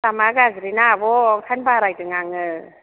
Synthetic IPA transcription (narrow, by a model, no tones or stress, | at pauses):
tamaɡazɾinabɔŋkʰanbaɾajtɯŋaŋɯ